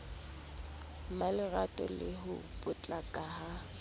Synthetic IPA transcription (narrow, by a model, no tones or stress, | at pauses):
malɪratʼɔ̰lɪɦʊpʼʊt͡ɬʼakʼaha